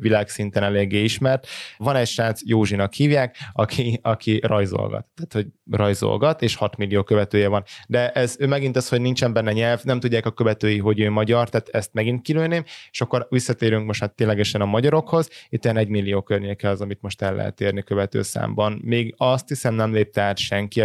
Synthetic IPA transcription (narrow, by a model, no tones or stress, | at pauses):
vilaːksint̪ɛnɛleːɡːeːiʃmɛrt̪vɒnɛcʃaːt̪sjoːʒinɒkhiːvjaːkɒkʰiɒkʰirɒjzo̰lɡɒ̰t̪ːaːt̪ho̞ɟrɒjzo̰lɡɒt̪eːʃhɒt̪milːijoːkøvɛt̪øːjɛvɒnd̪ɛʔɛzøːmɛɡint̪ɒshoɟnint͡ʃɛmbɛnːɛɲɛlvnɛmt̪uɟːaːkɒkø̞vɛt̪øːjiɦo̞ɟøːmɒɟɒrt̪aːt̪ɛst̪mɛɡint̪̚kiløːneːmeːʃɒkːo̞ɾʋisːɒt̪eːɾyŋkmo̞ʃt̪haːt̪ːeːnlɛɡɛʃɛnɒmɒɟɒɾo̞kho̞zit̪ːɛɛnɛɟmilːijoːkørɲeːkɛɒzɒmit̪mo̞ʃt̪ɛlːʔɛ̰ɦɛ̰t̪ːeːrnikøvɛt̪ø̰ːsa̰ːmbɒnmeːɡɒst̪hisɛmnɛmleːp̚t̪ɛaːt̪ʃɛŋki